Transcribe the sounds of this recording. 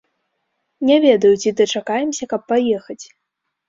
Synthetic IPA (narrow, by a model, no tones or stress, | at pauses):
nʲɛvʲɛd̪ɐjut͡sʲid̪ɐt͡ʂakajɛmsʲɐkɐpːajɛxɐt͡sʲ